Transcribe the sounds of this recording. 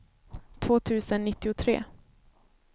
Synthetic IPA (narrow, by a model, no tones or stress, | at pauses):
t̪ʰv̥oːt̪ʰʉ̟ːsənːɪt̪ːɪʊt̪ʰɾḛː